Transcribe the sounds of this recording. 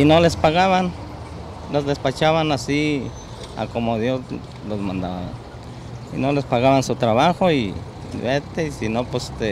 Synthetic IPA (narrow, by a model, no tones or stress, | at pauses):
inolespaɣaβan | lozd̪espat͡ʃaβanasi | a̰komoðjos | losmand̪a̰βa̰ | ḭnolespaɣaβansut̪ɾaβaxoi | βet̪eisinopwest̪e